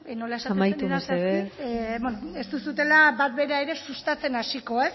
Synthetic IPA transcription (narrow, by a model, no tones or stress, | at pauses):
no̞laesaamajt̪umeseðebonoest̪usut̪e̞labat̪be̞ɾae̞ɾe̞sust̪at͡se̞nasiko̞e̞s